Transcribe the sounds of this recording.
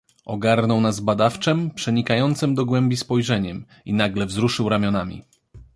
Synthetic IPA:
ʔɔɡaɾnɔwnazbad̪aft͡ʂɛmpʂɛɲikajɔnt̪sɘmd̪ɔɡwɛmbʲispɔjʐɛɲɛm | ḭnaɡlɛvzɾuʂɘwɾamʲjɔnamʲḭ

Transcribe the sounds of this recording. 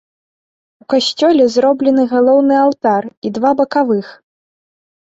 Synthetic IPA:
ukasʲt͡sʲɔlʲɛzɾɔblʲɛnɨɣalˠɔwn̪ɨalˠt̪arid̪vabɐkavɨx

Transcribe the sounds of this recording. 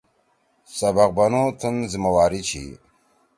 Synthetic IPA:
sɐbɐq̚bɐnoːt̪ʰunzimɐwaːɾit͡ɕʰḭ

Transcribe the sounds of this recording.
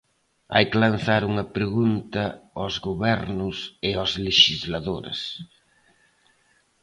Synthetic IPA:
a̰jklanθaɾuŋɐpɾeɣunt̪ɐɔzɣoβɛɾnʊsɪazleʃizlaðoɾḛs

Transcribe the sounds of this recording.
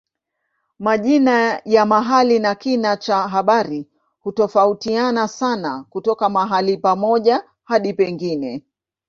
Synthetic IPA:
maʄinajamaɦalinakinat͡ʃaɦaɓaɾi | hutɔfautianasanakutɔkamaɦalipamɔʄa | haɗipɛŋɡinɛ

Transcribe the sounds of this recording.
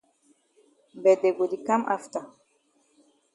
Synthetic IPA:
bɛd̪ɛɡud̪ikamʔa̰ft̪a

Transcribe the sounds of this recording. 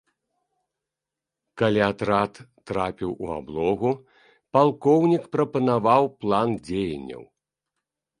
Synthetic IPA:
kalʲiat̪ɾat̪ːɾapʲiwṵa̰blˠɔɣu | palˠkɔwnʲikpɾɐpɐnavawplˠand͡zʲejɐ̰nʲːɐ̰w

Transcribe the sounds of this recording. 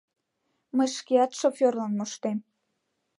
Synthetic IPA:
məjʃkeɑt̪ʃofʲorlɑnmoʃt̪em

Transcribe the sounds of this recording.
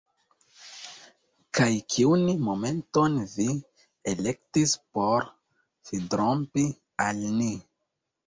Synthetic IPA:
kajkʰiunimo̞me̞nto̞nvi | elek̚tispo̞ɾ | fidɾompi | alni

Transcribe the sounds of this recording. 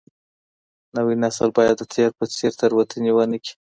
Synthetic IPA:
nawinasəlbɑjad̪ːət̪ʰeɾpət͡seɾt̪əɾwat̪ʰəniwanəki̥

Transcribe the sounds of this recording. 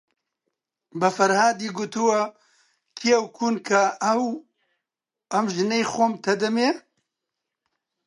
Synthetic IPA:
bɐfɐɾhaːd̪iːɡut̪ɨwɐ | kʰiɐwkʰuːnkʰɐw | ɐmʒɨnejxoːmt̪ʰɐd̪ɐmeː

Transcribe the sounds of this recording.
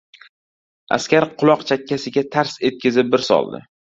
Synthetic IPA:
a̰skʲaɾqʰʊlˠɒqt͡ʃʰakʲʰːasɪɡʲat̪ʰaɾse̞t̪̚kʲɪzɪp̚bɪɾsɒ̰lˠd̪ɪ̰

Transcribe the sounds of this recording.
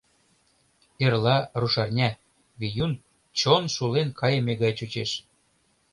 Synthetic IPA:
erlɑruʃɑrnʲæ | βijun | t͡ɕonʃulenkʰɑjɤ̆meɣɑjt͡ɕut͡ɕeʃ

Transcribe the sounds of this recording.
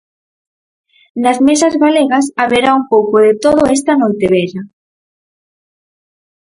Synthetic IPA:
nɐzmesɐzɣaleɣɐsaβeɾaumpowkoðet̪oðoɛs̬t̪ɐnojt̪eβeʎa

